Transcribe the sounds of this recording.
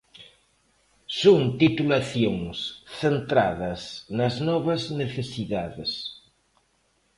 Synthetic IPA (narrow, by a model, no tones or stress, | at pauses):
soŋt̪it̪ulaθjoŋsθent̪ɾa̰ðɐsnɐznɔβɐzneθesiðaðɪs